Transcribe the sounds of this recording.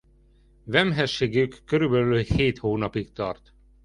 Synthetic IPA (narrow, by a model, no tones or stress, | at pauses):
vɛmɦɛʃːeːɡykːøɾybɛlyːheːt̪hoːnɒpikt̪ɒ̰rt̪